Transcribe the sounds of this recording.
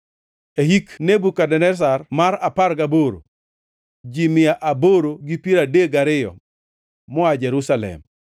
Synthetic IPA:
ehiknebukadɛnɛs̬armaɾapaɾɡaboɾo̰ | d͡ʒimɪjaʔaboɾoɡipiɾadeɡaɾɪjɔ̰ | mɔad͡ʒɛɾusalɛ̰m

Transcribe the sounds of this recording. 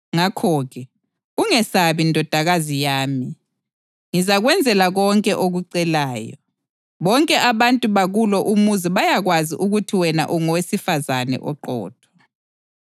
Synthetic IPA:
ŋakʰɔɣɛ | uŋɛsaβindʱɔd̥ʱaɣazijaːmi | ŋizaɣwɛnd͡zʱɛlaɣɔŋkʼɛʔoɣuǀɛlaːjɔ̰ | βɔŋkʼɛʔaβantʼuβaɣulɔʔumuziβajaɣwaziʔuɣutʰiwɛna̰ʔuŋɔwesifazanɛ̰ʔɔǃɔ̰ːtʰɔ̥

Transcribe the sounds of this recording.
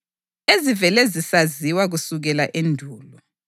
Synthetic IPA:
ezivɛlɛzisaziwaɣusuɣɛlaʔendʱuːlɔ

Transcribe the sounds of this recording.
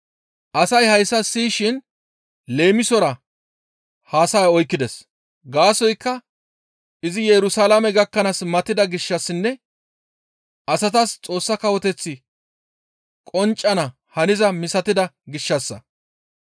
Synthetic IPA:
ʔɐsɐjhɐjsːɐsiːʃɪn | le̞ːmɪsɔɾɐ | haːsɐjaɔjkːɪd̪ɛs | ɡaːsɔjkːɐ | ɪzɪjɛɾʊsaːlamɛɡɐkːɐnɐsmɐt̪ːɪd̪ɐɡɪʃːɐsːɪnːɛ | ʔɐsɐt̪ɐst͡sʼo̞ːsːɐkɐwɔt̪ɛt͡sːɪ | kʼɔnt͡ʃʼːɐnɐ | hɐnɪzɐmɪsɐt̪ɪd̪ɐɡɪʃːɐsːɐ̰

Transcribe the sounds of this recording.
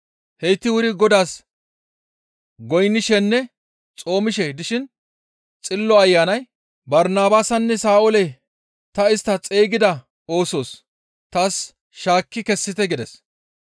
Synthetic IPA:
hɛjt̪ːɪwʊɾɪɡɔd̪aːs | ɡɔjnːɪʃɛnːɛ | t͡sʼo̞ːmɪʃ̬ɛd̪ɪʃɪn | t͡sʼɪlːɔɐjːaːnɐj | bɐɾnaːbaːsɐnːɛsaːʔʊlɛ | t̪ɐɪst̪ːɐt͡sʼeːɡɪd̪ɐ | o̞ːso̞ːs | t̪aːs | ʃaːkːɪkɛsːɪt̪ɛɡɪd̪ɛs

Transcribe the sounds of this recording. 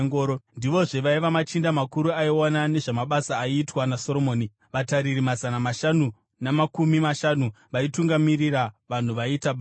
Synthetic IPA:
ŋɡoːɾondiʋo̞ʐeʋaiʋamat͡ʃindamakuɾuaiwanane̞ʐamaɓasaːiːtwanaso̞ɾo̞moːni | ʋataɾirimazanamaʃanu | namakumimaʃanu | ʋaituŋɡamiriraʋan̤uʋaitaɓ

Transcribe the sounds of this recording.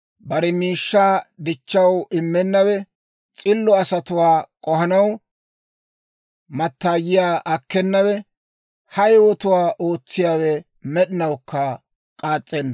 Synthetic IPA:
bɐɾɛmiːʃːaːd̪ɪt͡ʃːɐwɪmːɛnːɐwɛ | t͡sʼɪlːɔɐsɐt̪ʊwaːkʼɔhɐnɐw | mɐt̪ːaːjɪjaːʔɐkːɛnːɐwɛ | hɐjwɔt̪ʊwaːʔoːt͡sːɪjaːwɛ | mɛɗɪnɐwkːɐ | kʼaːt͡sʼːɛnːɐ

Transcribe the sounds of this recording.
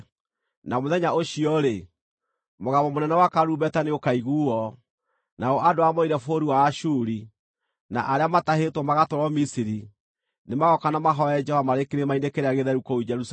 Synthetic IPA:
namoðɛɲaoɕiɔɾe | moɣaβɔmonɛnɛwakaɾubɛtaneokaiɣuːɔ | naɔʔadoamɔiɾɛfoɾiwaːʃuɾi | na̰ʔaɾeamatahetwɔmaɣatɔɾɔmisiɾi | nemaɣɔkanamaɦɔɛd͡ʒɛvamaɾekeɾemainekeɾeaɣeðɛɾukɔud͡ʒɛɾus

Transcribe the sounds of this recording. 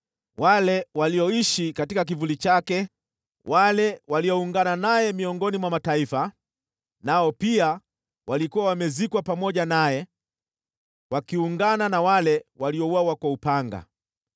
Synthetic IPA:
walɛwaliɔiʃikatikak̬ivulit͡ʃakɛ | walɛwalijɔuŋɡananajɛmiɔŋɡɔnimwamataifa | naɔpia | walikuwawamɛzikwapamɔʄanajɛ | wakiuŋɡananawalɛwaliɔwawakwaupaŋɡa̰

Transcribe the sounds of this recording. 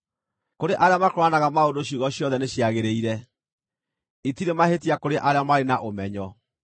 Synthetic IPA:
koɾeʔaɾeamakoɾwanaɣamaondoɕoɣɔɕjɔðɛneɕjaɣeɾeiɾɛ | itiɾemahetiakoɾeʔaɾeamaɾenaʔomɛɲɔ

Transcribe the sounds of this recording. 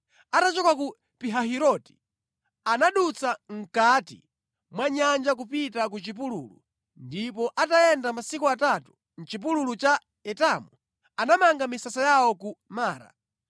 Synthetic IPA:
atat͡ʃɔkaku | piɦaɦiɾɔti̥ | anaɗut͡saŋ̩katḭ | mwaɲand͡ʒak̬upitakut͡ʃip̬ulṵlṵ | ndipɔʔatajɛndamasikuatatu̥ | n̩t͡ʃip̬ululut͡ʃa | ɛtamu | anamaŋɡamisasajawɔkumaːɾa̰

